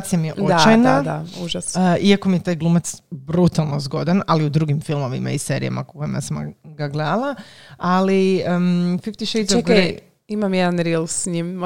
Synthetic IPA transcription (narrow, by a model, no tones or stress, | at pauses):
t̪sijamijeʔoat͡ʃajnad̪auʒasiakomijet̪aːjɡlˠuːmat̪sbɾut̪alˠno̞zɡo̞d̪analiud̪ɾuɡimfilˠmo̞ʋḭma̰iseːɾḭja̰ma̰ko̥ko̞jḭma̰samɡaɡled̪alˠaaliəfift̪iʃejt̪zɡɾe | imamjɛd̪anɾilˠsɲim